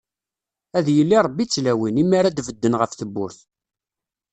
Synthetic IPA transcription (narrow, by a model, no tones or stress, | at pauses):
æðjəlːiɾˤəbːit͡sːlæwinimːaɾad̪vəd̪ːənʁəfθəbːʊɾθ